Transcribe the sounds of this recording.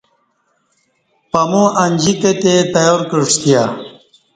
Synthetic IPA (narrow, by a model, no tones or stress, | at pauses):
pɐmũɐnʲd͡ʑiket̪et̪ɐjoːɾkəʂt̪ija